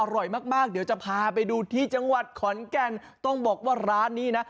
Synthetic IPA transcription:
ʔa˧ɾɔ˨˩jmaː˥˩k̚maː˥˩k̚di˩˦wt͡ɕa˨˩pʰaː˧p̬a˧jduː˧t̪ʰiː˥˩t͡ɕa˧ŋwa˨˩t̪̚kʰɔ˩˦nkɛ˧n | t̪ɔ˥˩ŋbɔː˨˩k̚waː˥˩ɾaː˦˥nːiː˦˥na˦˥

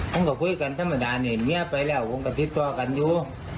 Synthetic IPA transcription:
kɔ˧˦ŋkaː˨˩kwu˧˥˨ka˨nt̪ʰa˧˥ma˨˩ɗaː˨˦nɛ˨˩mi˧˦ə˧pa˨˦jlɛː˧˩˨wko˧˦ŋka˨˩t̪i˧˦p̚t̪ɔ˧ka˨nju˧

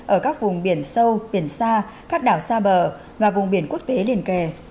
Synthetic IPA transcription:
ʔəː˧˩kaː˦˥k̚vʊ˨˩ŋ͡mɓi˧˩ənsə˧wɓi˧˩ənsaː˧ | kaː˦˥k̚ɗaː˧˩wsaː˧ɓəː˧˩ | vaː˨˩vʊ˨˩ŋ͡mɓi˧˩ənku˦˥ək̚t̪e˨˦li˧˩ənke˧˩

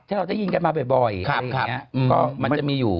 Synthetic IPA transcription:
t̪ʰaː˥˩ɾa˧wt͡ɕa˥˩ji˧nka˧nmaː˧be˨˩bɔ˨˩ja˨kʰa˨˩˧kʰaː˧˨˩i˦˥˦ɯː˧kɔː˥˩ma˧nm˥˩t͡ɕa˨˩miː˧juː˨˩

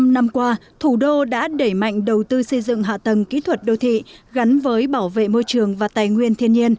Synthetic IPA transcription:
mna˧mkwaː˧t̪ʰu˧˩ɗo˧ɗa̰ː˧˥ɗe˧˩jma̰˧˨jŋ̟ɗə˨˩wt̪ɨ˧sə˧jzɨ̰˧˨ŋɦa̰ː˧˨t̪ə˨˩mkḭ˧˥t̪ʰwə˨˩t̚ɗə˧˩wt̪ʰḭ˧˨ɣa˨˦nvəː˨˦jɓaː˧˩wvḛ˧˨mo˧jt͡ɕɨ˨˩əŋvaː˨˩t̪aː˨˩jŋwi˧ənt̪ʰi˧ənɲi˧ən

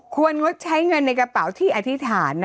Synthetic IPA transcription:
kʰu˧ənŋo˦˥t̪̚t͡ɕʰa˦˥jŋɤ˧nːa˧jka˧pa˩˦wt̪ʰiː˥˩ʔa˨˩t̪ʰi˦˥t̪ʰaː˩˦nː˦

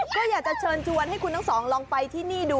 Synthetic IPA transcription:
kɔː˥˩jaː˨˩k̚t͡ɕa˨˩t͡ɕʰɤː˧nt͡ɕʰu˧ənɦa˥˩jkʰu˧nt̪a˥˩ŋsɔː˩˦ŋlɔː˧ŋpa˧jt̪ʰiː˥˩niː˥˩duː˧

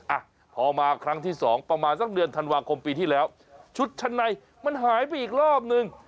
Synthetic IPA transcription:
ʔa˨˩ | pʰɔː˧maː˧kʰɾa˦˥ŋt̪ʰiː˥˩sɔː˩˦ŋpɾa˧maː˧nsa˨˩k̚dɯ˧ənt̪ʰa˧nwaː˧kʰo˧mpiː˧t̪ʰiː˥˩lɛː˦˥w | t͡ɕʰu˦˥t̪̚t͡ɕʰa˧nːa˧j | ma˧nɦaː˨˩˦jp̬a˧jʔiː˨˩k̚ɾɔː˥˩p̬̚nɯ˧ŋ

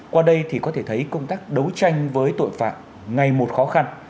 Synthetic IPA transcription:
kwaː˧ɗə˧jt̪ʰi˨˩kɔ˨˦t̪ʰe˧˩t̪ʰə˨˦jkə˧wŋ͡mt̪aː˦˥k̚ɗə˨˦wt͡ɕa˧jŋ̟vəː˨˦jt̪o̰˧˨jfa̰ː˧˨t | ŋa˨˩jmo˨˩t̚xɔ˨˦xa˧n

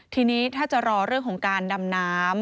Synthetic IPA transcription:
t̪ʰiː˧niː˦˥t̪ʰaː˥˩t͡ɕa˨˩ɾɔː˧ɾɯ˥˩ŋk̪ʰɔː˩˦ŋkaː˧nda˧mnaː˦˥m

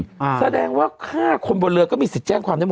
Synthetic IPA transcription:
sa˧dɛː˧ŋwaː˥˩kʰaː˥˩kʰo˧nbɔ˧lɯ˧əkɔː˥˩miː˧si˨˩t̪̚t͡ɕɛː˥˩ŋkʰwaː˧nda˥˩˨

